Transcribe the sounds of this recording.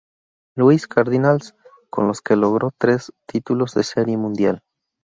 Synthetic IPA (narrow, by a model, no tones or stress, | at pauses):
luiskʰaɾðinals | ko̞̰nlo̞ske̞lo̞ɣ̞ɾo̞t̪ɾe̞st̪ʰit̪ulo̞zðese̞ɾje̞mũnd̪jal